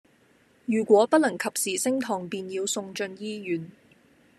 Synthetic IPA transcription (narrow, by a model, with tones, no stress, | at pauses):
jyː˨˩kʷwɔː˨˥pɐ˥t̚lɐ˨˩ŋkʰɐ˨p̚siː˨sɪ˥ŋt̪ʰɔː˨˩ŋpiː˧njiː˧wsʊ˧ŋt͡ʃɵ˧njiː˥jyː˨˩n